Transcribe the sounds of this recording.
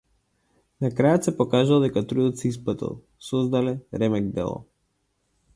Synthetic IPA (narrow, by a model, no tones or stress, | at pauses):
nakɾajɔt̪sɛpɔkaʒalˠd̪ɛkat̪ɾud̪ɔt̪sɛisplˠat̪ḭlˠ | sɔzd̪alɛɾɛmɛɡ̚d̪ɛ̰lˠɔ̰